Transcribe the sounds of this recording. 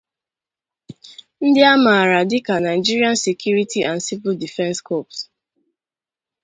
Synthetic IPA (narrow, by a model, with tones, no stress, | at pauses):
n̩˦dɪ˦a˦ma˨ɾa˨dɪ˦ka˨na˨ɪ˨d͡ʒi˦ɾi˦a˦nse˨kju˦ɾi˦ti˦ʔa˨nsi˦vʊ˦ldi˨fɛ̃˦nskɔ˦˨ps